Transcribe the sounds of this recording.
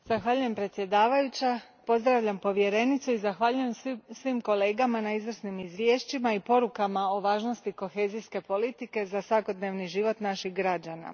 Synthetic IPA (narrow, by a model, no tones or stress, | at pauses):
z̥axʋaʎuje̞mpɾet̪sje̞d̪aːʋajut͡ɕa | po̞zd̪ɾaʋʎampo̞ʋje̞ɾe̞nit̪suizaxʋaʎuje̞msʋimko̞le̞ːɡamanaizʋr̩snimizʋjeːʃt͡ɕimaipo̞ɾukamao̞ʋaːʒno̞st̪iko̞xe̞ːziske̞po̞lit̪ike̞zasʋako̞d̪ne̞ːʋniʒiʋo̞t̪naʃixɡɾad͡ʑana̰